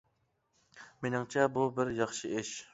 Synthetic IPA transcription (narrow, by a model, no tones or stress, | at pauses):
menɪŋt͡ʃʰɛbubɪɾjɑχʃɨʔɪʃ